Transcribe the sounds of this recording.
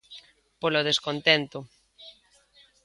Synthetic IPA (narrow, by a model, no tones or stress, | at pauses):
poloð̞eskont̪ɛnt̪ʊ